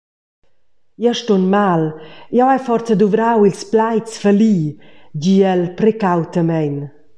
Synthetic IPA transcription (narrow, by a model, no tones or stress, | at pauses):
jaʃtonmaljawajfɔɾt͡səd̪uvɾawilsplajt͡sfəlidiɛlpɾɛkawt̪əmɛjn